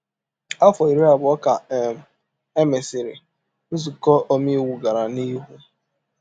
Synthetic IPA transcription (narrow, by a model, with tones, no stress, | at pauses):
a˦fɔ˨i˨ɾi˦a˨bʊ˨˦ɔ˦ka˨ɛ˨m̩˨ | e˦me˨sɪ˨ɾɪ˨ | n̩˦zu˨kɔ˦ʔo˦mi˦wu˨ɡa˨ɾa˨ni˦ɦu˦